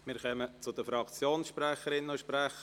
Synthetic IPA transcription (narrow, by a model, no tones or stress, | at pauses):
mɪːɾχœmət͡sʊd̥̪əfɾɑkt͡sjoːnsʃpɾæχəɾɪnnʊʃpɾæχə